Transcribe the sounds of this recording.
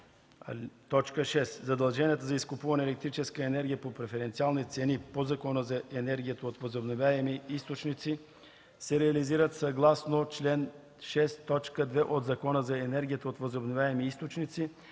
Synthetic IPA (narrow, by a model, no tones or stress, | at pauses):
t̪ɔt͡ʃkəʃɛszɐd̪ɐlˠʒɛniət̪əzɐiskʊpuvɐnɛlɛk̚t̪ɾit͡ʃɛskəɛnɛɾɡʲijəpopɾɛfɛɾɛnt̪sialˠnit̪sɛnipozɐkɔnəzɐɛnɛɾɡʲijət̪əot̪vəzobnovʲjaɛmiist̪ot͡ʃnit̪si | sɛɾɛɐliziɾət̪sɐɡlˠasnot͡ʃlɛn | ʃɛst̪ːɔt͡ʃkəd̪vɛʔod̪zɐkɔnəzɐɛnɛɾɡʲijət̪əot̪vəzobnovʲjaɛmiist̪ot͡ʃnit̪si